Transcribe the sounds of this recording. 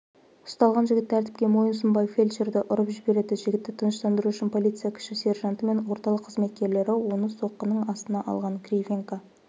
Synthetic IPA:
ʊ̥st̪ɑlˠʁɑnʒɪɡʲɪt̪ːʰæɾt̪ɪp̚kʲe̞mo̞jəns̬əmbɑjfʲe̞lʲʃeɾd̪ɪʔʊɾəpʒɪbe̞ɾe̞d̪ɪʒɪɡʲɪt̪ːɪt̪ʰənəʃt̪ɑnd̪əɾuʏʃɪnpʰo̞lʲijt̪sɨjakʲʰʏ̥ʃɪse̞rʒɑnt̪əme̞nwo̞ɾt̪ɑlˠəqʰːəzme̞t̪̚kʲe̞ɾle̞ɾɪwo̞nəso̞qːənəɴɑst̪ənɑʔɑ̰lˠʁɑŋkrʲivʲeŋka

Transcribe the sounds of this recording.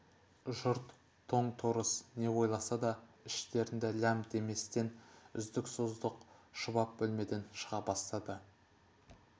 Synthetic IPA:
ʒʊɾt̪ʰː | o̞ɴt̪ʰoɾəsne̞wo̞jlˠɑsɑd̪ɑɪʃt̪e̞ɾɪnd̪ɪlʲæmd̪e̞me̞st̪e̞nʏ̰zd̪ɪksozd̪əqʃəβɑp̚bɵlme̞d̪e̞nʃəʁɑbɑst̪ɑd̪ə

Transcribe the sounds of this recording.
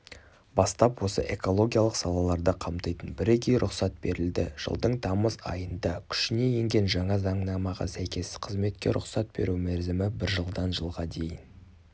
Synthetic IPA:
bɑst̪ɑpwo̞sə̰ʔe̞ko̞lˠo̞ɡʲijalˠəqsɑlˠɑlˠɑɾd̪əqʰɑmt̪ɑjt̪ənbɪɾekʲejɾʔʊqsɑt̪̚b̥e̞ɾɪld̪ɪ̰ʒ̥ə̰lˠd̪əɴt̪ʰɑməzɑ̰jənd̪ɑkʲʰʏ̥ʃɪne̞je̞ŋɡʲe̞nʒɑɴɑzɑɴnɑmɑʁɑ̰sæjkʲe̞sɪqʰəzme̞t̪kʲe̞̰ɾʔʊ̰qsɑt̪̚be̞̰ɾumæɾzɪmɪbɪɾʒəlˠd̪ɑnʒəlˠʁɑd̪e̞jɪn

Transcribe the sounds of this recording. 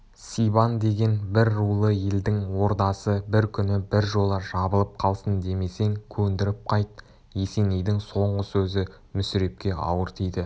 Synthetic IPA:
sijband̪e̞ɡʲe̞nbɪɾːulˠəje̞ld̪ɪŋwo̞ɾt̪ɑsəbɪɾkʲʰʏnɪbɪɾʒo̞lˠəʒɑbəlˠəp̚qʰɑlˠsənd̪e̞me̞se̞ŋkʲʰɵnd̪ɪɾɪp̚qʰɑjt̪̚ | e̞se̞nejd̪ɪŋso̞ɴʁəsɵzɪ | mʏsɪɾe̞p̚kʲe̞ʔɑ̰wəɾt̪ʰijd̪ɪ

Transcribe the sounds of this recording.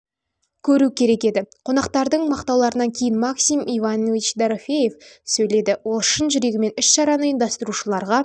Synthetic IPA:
kʲʰɵɾukʲʰe̞ɾe̞kʲe̞d̪ɪqʰo̞nɑqt̪ɑɾd̪əɴmɑqt̪ɑwlˠɑɾənɑŋkʲʰe̞jɪnmaksimivanovit͡ʃd̪aɾofʲe̞je̞fsɵjle̞d̪ɪwoʃənʒʏɾe̞ɡʲɪme̞nʏʃʃɑɾɑnəɪnd̪ɑst̪əɾuʃəlˠɑɾʁɑ

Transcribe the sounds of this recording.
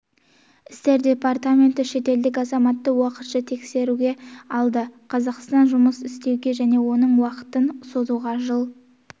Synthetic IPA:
ɪst̪e̞ɾd̪ʲe̞part̪amʲe̞nt̪ɪʃe̞t̪e̞ld̪ɪk̬ʲɑzɑmɑt̪ːəwɑqət̪ʃət̪ʰe̞kse̞ɾuɡʲe̞ɑlˠd̪əqʰɑzɑqst̪ɑnʒʊməsɪst̪e̞wɡʲe̞ʒæne̞wo̞nəɴwɑqə̥t̪ənso̞zuʁɑʒəlˠ

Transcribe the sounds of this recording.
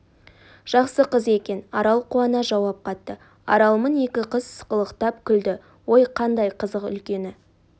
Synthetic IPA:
ʒ̥ɑqsəqəze̞kʲe̞nɑɾɑlˠquɑnɑʒɑwɑp̚qʰɑt̪ːə | ɑ̰ɾɑlˠməne̞kʲɪqəzsqəlˠəqt̪ɑp̚kʲʰʏld̪ɪ | wo̞jqʰɑnd̪ɑjqʰəzəqʏ̰lkʲe̞nɪ

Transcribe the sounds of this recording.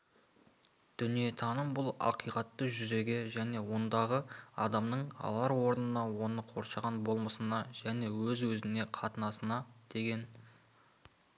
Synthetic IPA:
d̪̥ʏnije̞t̪ʰɑnəmbʊlˠɑ̰qijqɑt̪ːəʒʏze̞ɡʲe̞ʒæne̞wo̞nd̪ɑʁəɑ̰d̪ɑmnəɴɑ̰lˠɑɾwo̞ɾənənɑwo̞nəqʰo̞ɾʃɑʁɑnbo̞lˠməsənɑʒæne̞wɵzwɵzɪne̞qʰɑt̪ənɑsənɑd̪̥e̞ɡʲe̞n

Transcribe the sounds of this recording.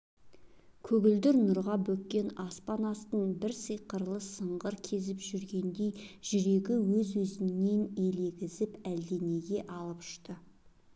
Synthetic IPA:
kʲʰɵɡʲɪld̪ɪɾnʊɾʁɑbɵkʲːe̞nɑspɑnɑst̪əɴbɪɾsəjqəɾlˠəsəɴʁəɾkʲʰe̞zɪpʒ̥ʏɾɡʲe̞nd̪e̞jʒ̥ʏɾe̞ɡʲɪwɵzwɵzɪnːe̞ne̞le̞ɡʲɪzɪpæld̪e̞ne̞ɡʲe̞ʔɑlˠəpʏ̥ʃt̪ə

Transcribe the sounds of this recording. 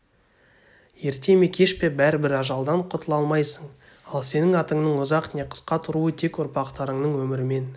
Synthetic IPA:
je̞ɾt̪e̞mekʲʰe̞ʃpe̞bæɾɪbɪɾɑʒɑlˠd̪ɑɴqʰʊt̪ʰəlˠɑlˠmɑjsəɴ | ɑlˠse̞nɪŋɑt̪əɴnəɴʊzɑqneqʰə̥sqɑt̪ʰʊɾuət̪ʰe̞kʊɾpɑqt̪ɑɾəɴnəɴwɵmɪɾɪme̞n

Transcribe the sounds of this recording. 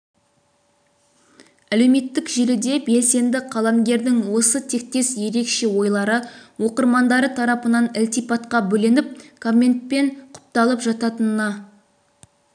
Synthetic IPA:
æle̞wme̞t̪ːɪkʒelɪd̪e̞be̞lse̞nd̪ɪqʰɑlˠɑŋɡʲe̞ɾd̪ɪŋwo̞sət̪ʰe̞k̚t̪e̞sje̞ɾe̞kʃe̞wo̞jlˠɑɾəwo̞qəɾmɑnd̪ɑɾət̪ʰɑɾɑpənɑnɪlt̪ijpɑt̪qɑbɵlɪnɪp̚kʰomʲe̞nt̪̚pe̞ɴqʰʊ̥p̚t̪ɑlˠəpʒɑt̪ɑt̪ənənɑ

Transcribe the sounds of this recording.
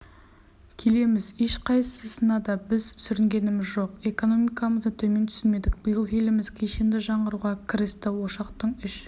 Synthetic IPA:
kʲʰe̞le̞mɪze̞ʃqʰɑjsəsənɑd̪ɑbɪzsʏɾɪŋɡʲe̞nɪmɪzʒo̞qe̞ko̞no̞mijkaməzd̪ət̪ʰɵme̞nt̪ʰʏ̥sɪnme̞d̪ɪk̚b̥əjəlˠje̞lɪmɪz̥kʲʰe̞ʃend̪ɪʒɑɴʁəɾuʁɑkʲʰɪɾɪst̪ɪwo̞ʃɑqt̪əɴʏʃ

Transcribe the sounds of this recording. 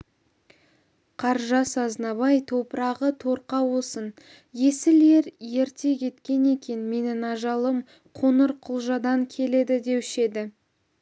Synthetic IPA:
qʰɑɾʒɑsɑznɑβɑjt̪ʰo̞pəɾɑʁət̪ʰo̞ɾqɑwosən | je̞sɪle̞ɾje̞ɾt̪e̞kʲʰe̞t̪kʲe̞ne̞kʲʰe̞nme̞nɪnɑʒɑlˠəm | qʰonəɾqʰʊlˠʒɑd̪ɑŋkʲʰe̞le̞d̪ɪd̪e̞pʏʃe̞d̪ɪ

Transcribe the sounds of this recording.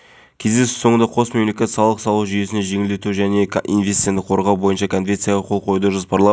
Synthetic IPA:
kʲʰe̞zd̪e̞sɪ̥so̞ɴənd̪ɑqʰo̞sme̞mle̞kʲe̞t̪sɑlˠəqsɑlˠuwʒʏje̞sɪne̞ʒe̞ŋɪld̪e̞t̪uʒæne̞ḭnvʲesed̪ɪqʰoɾʁɑwbojənʃɑkʰo̞nvʲent̪sɨjɑʁɑqʰo̞lˠqʰo̞jud̪əʒəzpʰɑɾlˠɑ

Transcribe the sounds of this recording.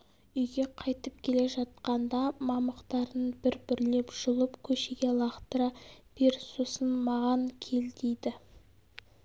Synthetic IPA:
ʏjɡʲe̞qʰɑjt̪əp̚kʲʰe̞le̞ʒɑt̪̚qɑnd̪ɑmɑməqt̪ɑɾənbɪɾbɪɾlepʒ̥ʊlˠəpkʲʰɵʃeɡʲe̞lˠɑχt̪əɾɑb̥eɾsusənmɑʁɑŋkʲʰe̞ld̪ejd̪ɪ

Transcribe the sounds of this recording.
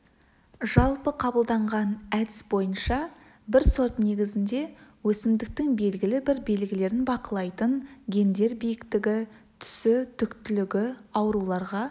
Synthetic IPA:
ʒɑlˠpəqʰɑbəlˠd̪ɑɴʁɑnæd̪ɪsbo̞jənʃɑ | bɪɾso̞ɾt̪ne̞ɡʲɪzɪnd̪e̞wɵsɪmd̪ɪk̚t̪ɪŋbe̞lɡʲɪlɪbɪɾbe̞lɡʲɪle̞ɾɪnbɑqəlˠɑjt̪ənɡʲe̞nd̪e̞ɾbijɪkt̪ɪɡʲɪ | t̪ʰʏ̥sɪt̪ʰʏkt̪ʏlɪɡʲɪɑwɾulˠɑɾʁɑ

